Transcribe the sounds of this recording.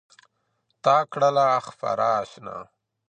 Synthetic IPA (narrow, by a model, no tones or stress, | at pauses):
t̪aːkɽalaːxfa̰ɾaːɕna̰